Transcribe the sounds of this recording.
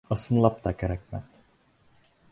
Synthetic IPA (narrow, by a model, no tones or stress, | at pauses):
asɯnlˠap̚t̪akʲeɾɛkmæð